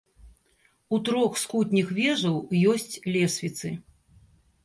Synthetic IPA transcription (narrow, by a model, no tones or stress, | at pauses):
ut̪ɾɔxskut̪ʲnʲixvʲɛʐɐwjɔsʲt͡sʲlʲɛsʲvʲit̪sɨ